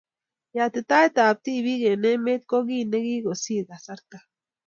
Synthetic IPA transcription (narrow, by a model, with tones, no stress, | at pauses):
ja˨t̪e˨t̪a˦e˦t̪a˨p̚t̪i˦˨βi˦ɡe˨ne˦me˦t̪̚ko˦ɡi˦ne˦ɡi˦ɡo˨si˦˨ɡa˨sa˦ɾt̪a˦